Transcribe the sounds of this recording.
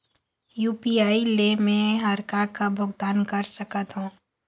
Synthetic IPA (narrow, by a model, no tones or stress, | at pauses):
juːpiaːilemẽɦɐɾkakabʱʊɡ̚d̪aːnkəɾsəkət̪ɦũː